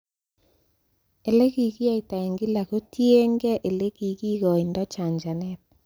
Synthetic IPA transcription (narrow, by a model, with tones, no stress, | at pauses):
e˨le˦ki˨ɣi˦a˦˨i˨ta˨e˨ŋɡi˦la˨ko˦tʰje˦ŋɡɛ˦ʔe˨le˦ki˨ki˦ɣɔ˨i˨ndɔ˦t͡ʃa˨nd͡ʒa˨nɛ˦t̚